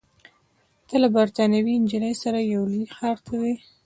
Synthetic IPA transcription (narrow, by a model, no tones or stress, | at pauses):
t̪alabaɾt̪ɑnjawind͡ʒələjsaɾajawlixɑɾt̪ʰad̪e